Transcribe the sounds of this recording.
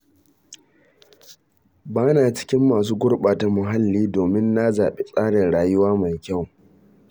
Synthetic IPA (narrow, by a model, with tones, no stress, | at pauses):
baː˦naː˨t͡ʃɪ̥˦kʲɪ˦mːaː˨s̬uː˦ɡʷʊ˦ɽɓaː˨ta˨mʊ˨ɦa˦lːiː˦doː˨mɪ˦nːa˦za̰ː˨ɓe˦sʼaː˦ɽɪ˨nɽaː˨jʊ˦waː˦ma˨jkʲa˦˨w